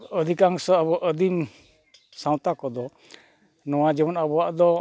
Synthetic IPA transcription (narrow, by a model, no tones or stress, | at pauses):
əd̪ʱikaŋsɔabɔʔəd̪im | sãw̃t̪akɔd̪ɔ | nɔwad͡ʒɛbɔnabɔwaʔd̪ɔ